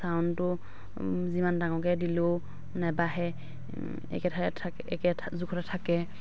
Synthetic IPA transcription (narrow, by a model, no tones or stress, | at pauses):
sawntʊ | zimandaŋɔkɛdilo | nɛbaɦɛ | ɛ̰kɛtʰa | ɛkɛzukʰɔtatʰakɛ